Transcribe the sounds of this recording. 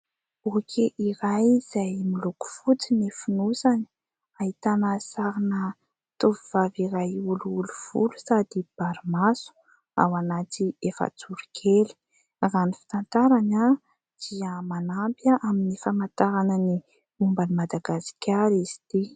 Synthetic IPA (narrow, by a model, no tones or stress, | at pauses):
okʲʰeʔiɾajz̥ajmiluku̥fut͡sinifinusani̥ | aɦit̪anəsaɾinə | t̪oviv̥aviɾajuluuluv̥ṵlu̥sad̪ib̥aɾimasu̥ | a̰wanat̪iefə̰t͡suɾikʲʰeli̥ | ranifi̥t̪ant̪aɾana | d̪̥iəmanampaʔaminifamant̪aɾanəni | umbanimad̪aɡasi̥kʲaɾiz̥id̪̥i